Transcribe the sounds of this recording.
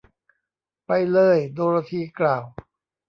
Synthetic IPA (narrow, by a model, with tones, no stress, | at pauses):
pa˧jlɤː˧˥˩jdoː˧ɾaː˧t̪ʰiː˧˩klaː˨˩w